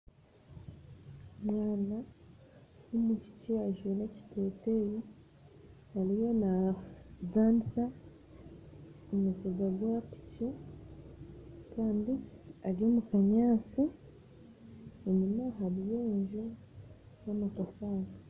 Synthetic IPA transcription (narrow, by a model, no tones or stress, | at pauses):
mwaːna | umuci̥ciaʒweneci̥teteji | haɾijo̞na | zaːnisa | umuziɡaɡwapi̥ci | kaːndiaɾio̞mukaɲaːt͡si | enimaɦaɾijoɲʒe | nomukafaːna